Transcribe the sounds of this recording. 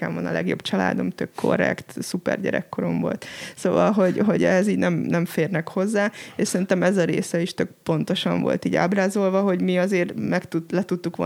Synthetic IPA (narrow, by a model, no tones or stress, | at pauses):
ɛ̰ɱonɒ̰lɛ̰ɡjo̞̰bt͡ʃɒla̰ːd̪omt̪økʰːo̞̰rɛ̰kt̪supɛ̰rɟɛ̰ɾɛkːo̞ɾo̞mvo̞̰lt̪sovɒlɦo̞ɟɦo̞ɟɛ̰ɦɛziːɟnɛmnɛɱfeːrnɛkho̞zːaːeːʃsɛɾint̪ɛmɛzɒɾḛːsɛiʃt̪ø̞k̚po̞nt̪o̞ʃɒɱvo̞̰lt̪iːɟa̰ːbraːzo̞lvɒɦo̞ɟmiɒzeːrmɛkt̪ut̪lɛt̪ut̪ːukʋo̰